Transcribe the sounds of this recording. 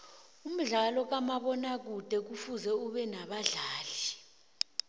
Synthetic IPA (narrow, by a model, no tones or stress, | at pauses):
um̩ɮalɔk̬amaɓɔnak̬ud̥ʱɛk̬ufuzɛuɓɛnaɓaɮaːli